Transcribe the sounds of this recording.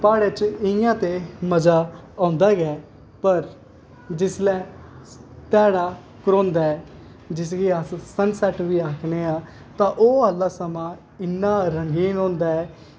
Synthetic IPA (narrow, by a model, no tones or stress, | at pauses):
paːɽet͡ʃɪjãːt̪eːməd͡ʒaːãːnd̪aːɡɛː | pəɾ | d͡ʒɪslɛː | t̪ɛːɽaː | kɾõːnd̪aːɛː | d͡ʒɪs̬ɡeːassənsɛʈʋiːaːkʰneːãː | t̪ãːʔoːəlːaːsəmãː | ɪnːaːɾəŋɡiːnɦõːnd̪aːɛː